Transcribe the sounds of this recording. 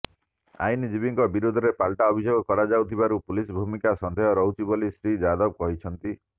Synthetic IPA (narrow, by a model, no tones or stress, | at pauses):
a̰jnid͡ʒibiŋkɔbiɾud̪ʱɔɾepalʈaɔbʱid͡ʒoɡɔkɔɾad͡ʒawt̪ʰibaɾupulisbʱumikasɔnd̪ʱɔjɔɾɔwt͡ʃibɔlisɾid͡ʒad̪ɔb̚kɔɦit͡ʃʰɔnt̪i